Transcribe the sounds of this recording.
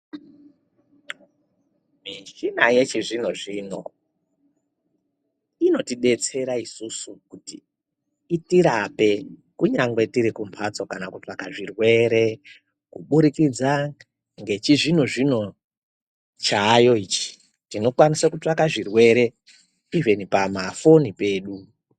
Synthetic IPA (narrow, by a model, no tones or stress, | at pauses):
miʃinaje̞t͡ʃiʐin̤oʐino̰ | ino̞tiɗe̞t͡se̞ɾaisusukutḭː | tiɾape̞kuɲaŋɡwe̞tiɾikumpʰat͡so̞kanakutakaʐirwe̞ɾe̞ | kuɓuɾikid͡za | ŋɡe̞t͡ʃiʐinoʐino̞ | t͡ʃajo̞iːt͡ʃi̥ | tino̞kwanisakutakaʐirwe̞ɾe̞ | ivenipamafo̞nipe̞ːɗu